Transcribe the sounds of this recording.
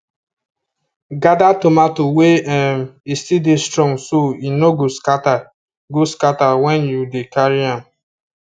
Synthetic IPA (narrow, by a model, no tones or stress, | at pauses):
ɡadatomatoweɛmistidestɾɔ̃ŋɡsoinoɡoskata | ɡoskatawɛ̃njudekaɹiãm